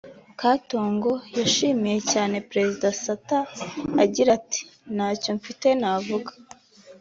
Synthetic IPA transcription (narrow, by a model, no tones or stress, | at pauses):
kato̞ːŋɡo̞jaʃiːmije̞caːne̞pɾe̞zidasataaɟiɾati̥naːco̞ɱfite̞navuɡḁ